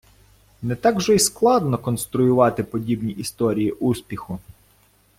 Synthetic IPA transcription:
nɛt̪ɑɡʒɔisklˠɑd̪nɔkɔnst̪ɾʊjʊʋɑt̪ɪpɔdʲibnʲiʔist̪ɔɾʲijiʔuspʲixʊ

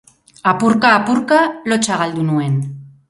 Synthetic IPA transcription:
apuɾkaːpuɾkalo̞t͡ʃaɣald̪unue̞n

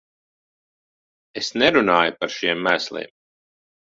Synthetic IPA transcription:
esnɛɾunaːjupaɾʃiɛmːæːslˠḭːm

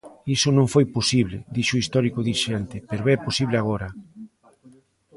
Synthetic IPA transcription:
isonõɱfojposiβlɪ̰d̪iʃoist̪ɔɾikoðiʃent̪ɪpeɾoɛposiβlɪaɣ̞oɾa

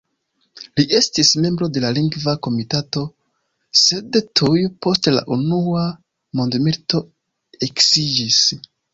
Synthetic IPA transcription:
liʔe̞stisme̞mbɾo̞de̞laliŋɡvako̞mitato̞ | se̞dtʰujupo̞stla̰ʔunua | mo̞ndmiɾto̞ | eksid͡ʒis

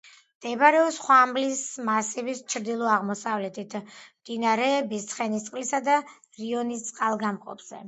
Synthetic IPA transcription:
md̪̥ɛbaɾɛɔsχwamlismasivist͡ʃʰɾd̪ilˠɔaʁmɔsavlɛt̪ʰit̪ʰmd̪inaɾɛːbist̪sʰχɛnist̪sʼqʼlisad̪a | ɾiɔnist̪sʼqʼalˠɡamqʼɔ̰pz̥ɛ̰

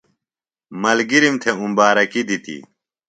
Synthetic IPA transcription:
mɐlɡiɾimt̪ʰeumbaːɾɐkid̪it̪ḭ

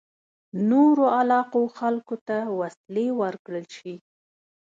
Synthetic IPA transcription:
noɾoalɑqoxalkot̪awaslewəɾkɽəlʃi

